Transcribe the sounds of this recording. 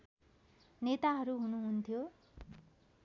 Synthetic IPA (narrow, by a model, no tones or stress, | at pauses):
net̪aɦʌɾuɦunuɦunt̪ʰjo